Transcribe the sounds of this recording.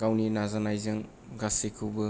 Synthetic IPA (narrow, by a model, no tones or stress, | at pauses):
ɡ̥awninazanajzɯŋ | ɡasekʰɯwbɯ